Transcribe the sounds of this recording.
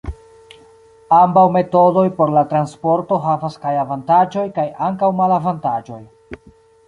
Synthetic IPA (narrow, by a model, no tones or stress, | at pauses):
ambawme̞to̞do̞jpo̞ɾlatɾanspo̞ɾto̞ɦavaskajavantad͡ʒo̞jkajaŋkawmalavantad͡ʒo̞j